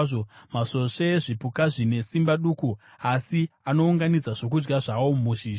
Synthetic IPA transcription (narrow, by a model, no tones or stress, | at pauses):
omaso̞ʂeʐipukaʐine̞simbaɗuku | asiano̞uŋɡanid͡zaʐo̞k̬ud͡ʒɡaʐawomuːʃi